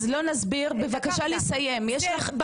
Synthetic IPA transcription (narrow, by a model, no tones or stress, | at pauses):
zlo̞nazbiʁbe̞vakaʃalisaje̞mjeʃlaχb